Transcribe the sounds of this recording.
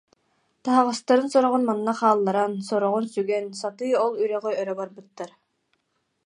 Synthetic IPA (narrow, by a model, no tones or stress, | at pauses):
t̪aɦaʁɯst̪aɾɯnsɔɾɔʁunmanːaχaːlˠːaɾansɔɾɔʁunsyɡɛnsat̪ɯjɔlˠyɾœʁœœɾœbaɾbɯt̪ːaɾ